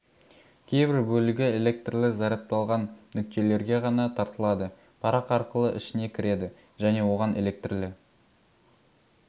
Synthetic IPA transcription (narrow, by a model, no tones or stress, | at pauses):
kʲʰe̞jbɪɾbɵlɪɡʲɪe̞lʲe̞k̚t̪rlɪzɑɾɑp̚t̪ɑlˠʁɑnːʏk̚t̪e̞le̞ɾɡʲe̞ʁɑnɑt̪ʰɑɾt̪əlˠɑd̪ə | pʰɑɾɑqɑɾqəlˠəʔɪʃɪne̞kʲʰɪɾe̞d̪ɪ | ʒæne̞wo̞ʁɑnʔe̞̰le̞k̚t̪rlɪ